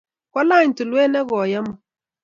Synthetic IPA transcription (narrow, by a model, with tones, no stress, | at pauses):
kwa˦la˦˨ɲ̩˨tu˨lwɛː˦nɛ˦ɣɔ˨ja˦mɔ˨